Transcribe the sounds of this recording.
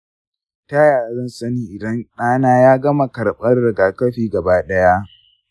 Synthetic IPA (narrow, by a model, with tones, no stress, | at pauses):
ta˦jaː˨ɾɐ˦nsɐ˦niː˦ʔɪ˨dɐ˦nɗaː˦naː˦jaː˦ɡɐ˦ma˨kɐ˨rɓɐ˦rːɪ˨ɡaː˨kɐ˦ɸiː˦˨ɡɐ˨baː˦ɗɐ˦ja˦ʔ